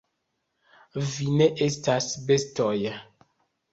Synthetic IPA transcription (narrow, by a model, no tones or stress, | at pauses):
vineʔestasbestɔja